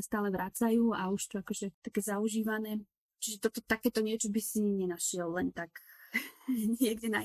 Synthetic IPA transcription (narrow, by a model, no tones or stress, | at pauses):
st̪aːlɛʋɾaːt͡sajuːauʃt̪ɔakɔʒɛt̪akɛːzauʒiːʋanɛː | t͡ʃiʒɛt̪ɔt̪ɔt̪akɛːt̪ɔɲɪɛt͡ʃɔbisiɲɛnaʃɪɛllɛnt̪ak | ɲɪɛɡdɛna